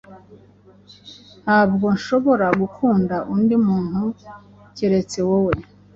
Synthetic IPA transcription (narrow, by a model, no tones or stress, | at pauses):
haːbɡo̞nʃo̞βo̞ɾaɡukʰuːndaʔundimuːn̥hu | ciɾe̞t͡se̞wowe̞